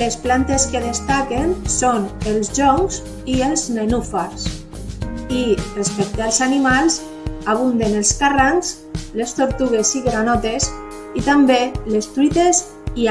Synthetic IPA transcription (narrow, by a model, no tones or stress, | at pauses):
lesplant̪eskeðest̪akensonelzʒɔŋz | ielznenufaɾs | irespɛk̚t̪alˠzanimalz | aβ̞und̪enelskaraŋz | lest̪oɾt̪uɣesiɣɾanɔt̪es | it̪ambelest̪ɾuit̪es | i